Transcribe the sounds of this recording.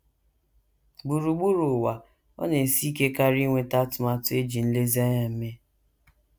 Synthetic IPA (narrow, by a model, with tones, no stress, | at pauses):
ɡ͡bu˨ɾu˨ɡ͡bu˦ɾu˨wa˨ | ɔ̰˦ne˨si˦ke˦ka˦ɾi˦ŋʷe˦ta˦tʊ˨ma˦tʊ˦e˦d͡ʒi˨n̩˦le˦za˦ɲa˨m̩˦me˦